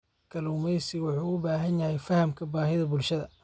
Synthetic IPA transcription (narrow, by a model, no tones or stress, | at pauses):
kʰɐluːmɛjsɪwʊħuːʊbaːɦɐnjɐhɛjfɐhɐmkʰɐbaːɦɪðɐbʊlʃɐðɐ